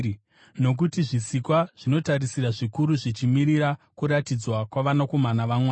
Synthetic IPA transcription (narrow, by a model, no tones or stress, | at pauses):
no̞k̬utiʐisikwaʐ̥ino̞taɾisiɾaʐikuɾuʐit͡ʃimiɾiɾakuɾatid͡zwakwaʋanako̞manaʋamwaːa